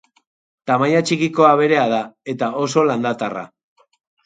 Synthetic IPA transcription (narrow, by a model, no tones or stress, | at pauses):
t̪amajat͡ʃikiko̞aβ̞e̞ɾe̞að̞ae̞t̪ao̞so̞land̪at̪ara̰